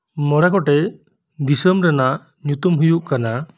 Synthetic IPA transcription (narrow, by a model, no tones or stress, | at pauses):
mɔɽakɔʈɛ | d̪isəmɾɛnaʔ | ɲut̪umɦujuʔkana